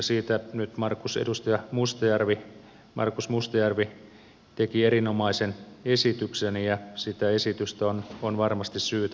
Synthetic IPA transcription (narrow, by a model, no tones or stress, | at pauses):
siːt̪ænyt̪mɑrkːusḛdust̪ɑjɑmust̪ɑjærʋi | mʔɑ̰rkusmust̪ɑjærʋi | t̪ekieɾinomɑisenesit̪yksenijɑsit̪æesit̪yst̪æononʋɑrmɑst̪issyːt̪